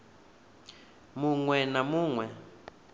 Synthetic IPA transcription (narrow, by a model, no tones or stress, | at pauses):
muŋwɛnamuːŋwɛ